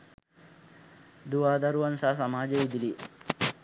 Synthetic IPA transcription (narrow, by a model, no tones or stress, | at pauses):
d̪uʋaːd̪ɐɾuʋɐnsaːsɐmaːd͡ʒeid̪ili